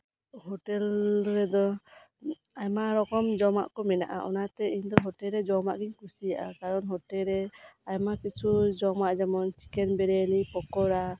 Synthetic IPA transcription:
ɦɔʈɛlɾɛd̪ɔ | ajmaɾɔkɔmd͡ʒɔma̰ʔkɔmɛna̰ʔa̰ʔɔnat̪ɛiɲd̪ɔɦɔʈɛɾɛd͡ʒɔmaʔɡɛɲkusijaʔakaɾɔnɦɔʈɛɾɛajmakit͡ʃʰud͡ʒɔmaʔd͡ʒɛmɔnt͡ʃi̥kɛnbɛɾɛlipɔkɔɾa

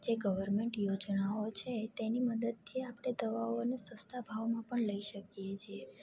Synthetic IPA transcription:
d͡ʒeɡəʋəɾmeɳʈjod͡ʒnaot͡ʃʰet̪eniməd̪əd̪̚t̪ʰiapɽ̃ed̪əʋaoənesə̃st̪ʰabʱaʋmãpəɳləiʃəkjet͡ʃʰe

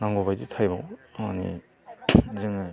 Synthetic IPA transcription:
naŋɡobajditʰajbɔma̰nḭ | zɯŋɯ

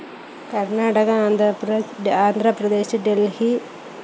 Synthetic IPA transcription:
kɐrnaːɽɐɣɐːnd̪ | aːnd̪ʱɾɐprɐd̪eːɕɖelhi

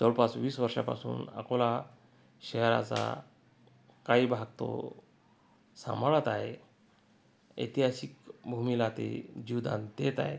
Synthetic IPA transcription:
t͡səɭpat͡sʋiːsʋəɾʂa̰pa̰sṵːnakola | ɕɛɦɾa̰t͡sa̰ | kaibʱaɡ̚t̪o̰ | sa̰maɭət̪aɦe | ə̰t̪iɦasik̚bʱumilat̪ḛd͡ʑiwd̪and̪et̪a̰ɦe

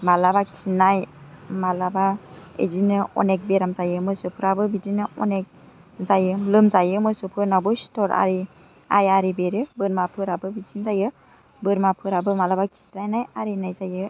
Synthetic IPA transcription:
malabaksinajmalabaḛzinɯɔ̰nek̚beɾamzajɯmɯsɯpʰɯɾabɯbidinɯɔnek̚ | zajɯlɯmzajɯmɯsɯpʰɯɾnabɯstɔɾa̰ɾi | a̰jaɾibeɾɯbɯɾmapʰɯɾabɯbitinzajɯ | bɯɾmapʰɯɾabɯmalabakʰi̥sɾajnajaɾinajzajɯ

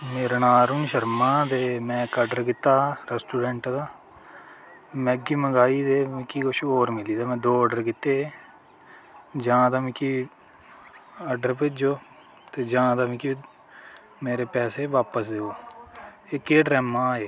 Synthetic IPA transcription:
meːɾnaːɾʊnʃəɾmãːd̪eːmɛ̃ːkːəɖəɾkɪt̪ːaːɾɛsʈuːɖɛɳʈd̪aː | mɛ̃ɡiːməɡaːiːd̪eːmɪ̃kiːkʊʃoːɾmɪliːd̪aːmɛ̃ːd̪oːəɖəɾkɪt̪ːeː | d͡ʒãːd̪aːmĩkiː | əɖəɾpɪd͡ʒoː | t̪eːd͡ʒãːd̪aːmĩki | meːɾeːpɛːseːʋaːpəsd̪eːoː | ekeːɖɾɛːmãːeː

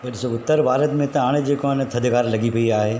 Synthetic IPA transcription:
bɐʈsoʊt̪ːəɾbʱaːɾət̪mẽt̪ɐ̃aːɽ̃ed͡ʒekont̪ʰɐd̪ʱkaːɾlɐɡipɐiaːɦeː

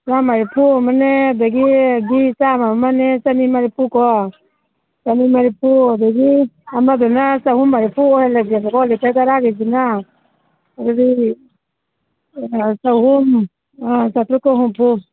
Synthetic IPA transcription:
samaɾipʰumanɛbɛɡiɡisamamanɛsanimaɾipukɔ | sanimaɾipubɛɡiamabɛnasahumaɾipuɔhɛlad͡ʒiakɔkɔlɛtakaɾaɡɛd͡ʒina | ɾɔɾi | saɦum | sat̪ɾukaɦumpu

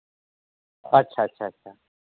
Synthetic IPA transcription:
ɐtːɕʰaɐtːɕʰaɐtɕʰa

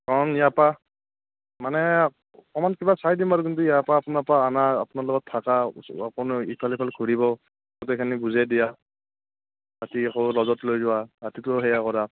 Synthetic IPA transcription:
kɔɹɔnijapa | manɛ | kɔmankibasajdimbaɹuk̬intuijapaːpʊnapaanaa̰pʊnalɔɡɔtʰːakaapɔnipʰalipʰalɡʰʱuɹiβɔ | kɔtɔekʰanibuzadija | ɾatiakɔlɔzɔtlojzʊwaɾatitɔɦɛjakɔɾa

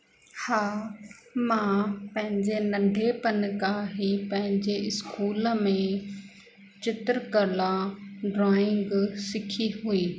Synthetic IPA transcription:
haː | mãpɐ̃ɦɪ̃ɲd͡ʑenɐɖʱepənkaɦipɐ̃ɦɪ̃ɲd͡ʑeɪskuːləmẽ | t͡ɕɪt̪ɾkəlaɖɾaːɪ̃ŋɡsɪkʰiɦuiː

